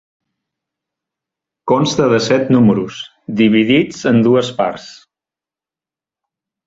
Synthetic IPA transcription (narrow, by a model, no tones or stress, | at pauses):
konst̪əðəsɛt̪numəɾus | d̪iβ̞iðid͡zənd̪uəspa̰ɾs